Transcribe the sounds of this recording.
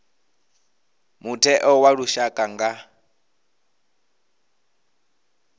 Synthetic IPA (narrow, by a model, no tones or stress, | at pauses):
mutʰɛʔɔwaɺuʃakʼaŋɡa